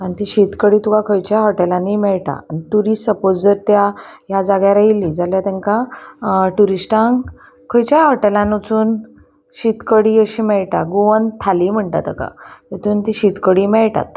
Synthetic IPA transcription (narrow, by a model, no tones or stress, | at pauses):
anit̪iɕit̪kəɽiːt̪ukakʰojt͡ɕjaɦɔʈelãnimɛɭʈa̰aniʈuɾissəpod͡zd͡zəɾt̪jajad͡zaɡjaɾailid͡zaljat̪ɛ̃ŋka | ʈuɾisʈãŋ | kʰɔjt͡ɕjaɦɔʈelãnut͡suːn | ɕit̪kəɽiəɕimɛɭʈaɡuʋənt̪ʰaliːm̤əɳʈ̪a̰t̪əka̰jet̪uːnt̪iɕit̪kəɽimɛɭʈa̰t̪